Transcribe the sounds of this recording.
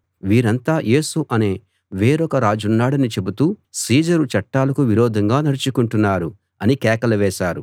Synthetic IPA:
ʋiːɾɐnt̪aːjʔe̞ːsuʔɐne̞ː | ʋeːɾɔkɐɾaːd͡ʒunːaːɽɐnit͡ʃe̞but̪uːsiːd͡ʒɐɾut͡ʃɐʈːaːlɐkuʋiɾɔːd̪ʱɐŋɡaːnɐɾit͡ʃukuɳʈunːaːɾu | ɐnikɛːkɐlɐʋɛːʃaːɾu

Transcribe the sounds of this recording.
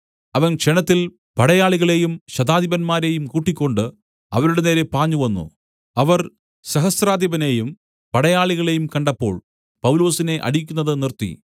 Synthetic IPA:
ɐʋɐnkʂenɐt̪ːil | pɐɽɐjaːɭiɣɐɭe̞jumɕɐd̪aːd̪jibɐnmaːɾe̞jumkuːʈːikʲːo̞ɳɖɨ | ɐ̰ʋɐɾuɽene̞ːle̞paːɲːuʋɐnːṵ | ɐʋɐr | sɐɦɐsraːd̪jɐbɐnejum | pɐɽɐjaːɭiɣɐɭe̞jumkɐɳɖɐpːo̞̰ːɭ | pɐwlo̞ːsine̞ʔɐ̰ɽikʲːunːɐðɨnirt̪ːḭ

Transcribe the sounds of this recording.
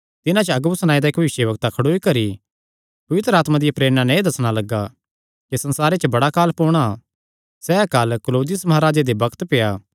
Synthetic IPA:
t̪ɪnãt͡ʃəɐɡbsɐñaːid̪aekbɐʋɪʃjebɐk̚t̪akʰɐɽoːikɐɾi | pɐʋɪt̪ɾəaːt̪mad̪ɪjapɾeːɾñãnɛ̃ĩd̪ɐsɽ̃alɐɡːa | kisɐ̃nsaːɾet͡ʃəbɐɽakaːlpoːɽ̃a | sɛɐkaːlkloːd̪ɪjəsmɐɦaːɾaːd͡ʒed̪ebɐkt̪pejaː

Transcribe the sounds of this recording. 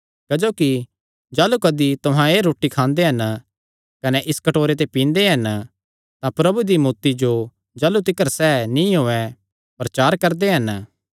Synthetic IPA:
kɐd͡ʒoːki | d͡ʒaːlukɐd̪it̪ʊɦãeːɾoːʈikʰãːnd̪eɦɐn | kɐnɛʔɪskɐʈoːɾet̪̬epĩːnd̪eɦɐn | t̪ãpɾɐbud̪imuːt̪id͡ʒo | d͡ʒaːlut̪̬ɪkəɾsɛːnĩɦoːɛ | pɾɐt͡ʃaːɾkɐɾd̪eɦɐn

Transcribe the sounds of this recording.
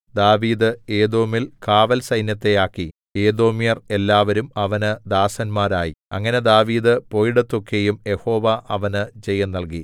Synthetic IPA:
d̪aːʋiːd̪ɨe̞ːd̪o̞ːmilkaːʋɐlsɐjnjɐt̪ːe̞aːkːi | e̞ːd̪o̞ːmijɐre̞lːaːʋɐɾumɐʋɐnɨd̪aːsɐnmaːɾaːjiɐ̰ŋːɐne̞d̪aːʋiːd̪ɨpo̞ːjiɽɐt̪ːo̞kʰːe̞jumje̞ho̞ːʋɐʔɐʋɐnɨt͡ɕejːɐnːɐlk̬i

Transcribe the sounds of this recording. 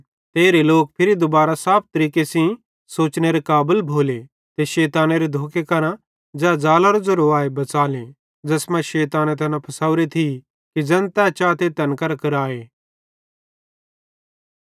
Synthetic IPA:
t̪eːɾeloːk̚pʰɪɾid̪ʊbaːɾasaːp̚t̪ɐɾiːkesĩ | soːt͡ʃneɾekaːbəlbʱoːle | t̪eʃɛːt̪aːneɾed̪ʱoːkekɐɾã | d͡ʒɛːd͡ʒaːlaɾod͡ʒoɾoaːebɐt͡saːlẽ | d͡ʒɐsmãʃɛːt̪aːnet̪ʰɐnãpʰɐsaːʊɾet̪ʰi | kid͡ʒɐ̃nt̪at͡ʃaːt̪et̪ɐnkɐɾkɐɾaːeː

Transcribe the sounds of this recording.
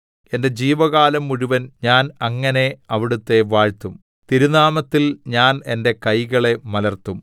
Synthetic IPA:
e̞nde̞d͡ʑiːʋɐɣaːlɐmːuɻuʋɐnɲaːnɐŋːɐne̞ɐʋiɽut̪ːe̞ʋaːɻt̪ːum | t̪iɾunaːmɐt̪ːilɲaːne̞nde̞kɐjɣɐɭe̞mɐlɐrt̪ːum

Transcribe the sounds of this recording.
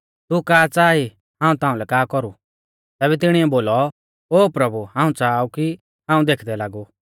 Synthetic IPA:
t̪ukaːt͡saːi | hãːũt̪ãːũlɛkaːkɔɾu | t̪ɛːβɛt̪ɪɽ̃iɛboːlɔ | oːpɾɐbuhãːũt͡saːuki | ɦãːũd̪eːkʰd̪ɛlaːɡu

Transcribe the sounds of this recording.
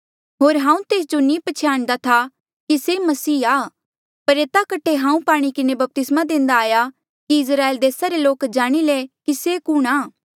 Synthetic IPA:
ɦoːɾɦãːũt̪eːs̬d͡ʒonĩːpɐt͡ʃʰaːɽ̃d̪at̪ʰa | kisemɐsiːaː | pɐɾeːt̪akɐʈʰːeɦãːũpaːɽ̃ikɪnebɐp̚t̪ɪsmad̪ẽːnd̪aːja | kiɪs̬ɾaːeːld̪eːsaɾeloːkd͡ʒaːɽ̃ilekisekuːɽ̃aː

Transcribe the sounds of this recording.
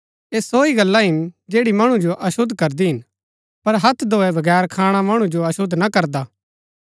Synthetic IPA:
eːsoːiɡɐlːaɦɪnd͡ʒeːɽimɐɽ̃ũd͡ʒoʔɐʃʊd̪ʱkɐɾd̪iɦɪn | pɐɾɦɐt̪ʰd̪ʱoːɛbʱɐɡɛːɾkʰaːɽ̃amɐɽ̃ũd͡ʒoɐʃʊd̪nɐkɐɾd̪aː

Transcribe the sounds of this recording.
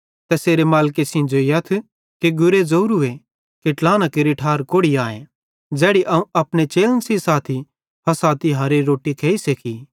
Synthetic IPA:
t̪ɛseːɾemaːlkesĩnd͡ʒoijɐt̪ʰ | keɡʊɾed͡zɐuɾue | keʈlaːnakeɾiʈʰaːɾkoːɽiaːẽ | d͡ʒɛːɽiʔɐũɐpɽ̃et͡ʃeːlənsisaːt̪ʰi | pʰɐsaːt̪ʰiɦɐɾeɾoːʈikʰeːisekʰi

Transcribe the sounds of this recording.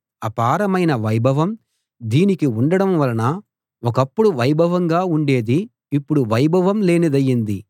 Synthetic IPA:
ɐpaːɾɐmɐjnɐʋɐjbʱɐʋɐm | d̪iːnikiuɳɖɐɽɐmʋɐlɐnɐ | ɔkɐpːuɽuʋɐjbʱɐʋɐŋɡaːuɳɖe̞ːd̪iː | pːuɽuʋɐjbʱɐʋɐmle̞ːnid̪ɐjːind̪i

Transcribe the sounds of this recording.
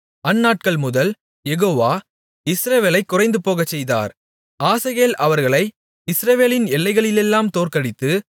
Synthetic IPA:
ɐnːaːʈ̚kɐɭmʊðɐl | jɛɣoːʋaː | ɪsɾɐʋeːlɐɪkːʊrɐɪnd̪ɯpoːɣɐt͡ʃːɛjða̰ːɾ | aːsɐɣeːlʔɐʋɐɾɣɐɭɐɪ | ɪsɾɐʋeːlɪnɛlːɐɪɣɐɭɪlɛlːaːmt̪oːrkɐɽɪt̪ːɯ

